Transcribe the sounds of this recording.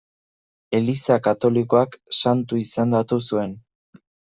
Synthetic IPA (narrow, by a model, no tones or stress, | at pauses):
e̞lisakat̪o̞liko̞aksant̪uisand̪at̪usue̞n